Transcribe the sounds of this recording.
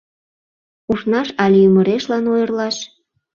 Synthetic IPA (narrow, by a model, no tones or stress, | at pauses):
uʃnɑʃɑlʲejyməɾeʃlɑnojərlɑʃ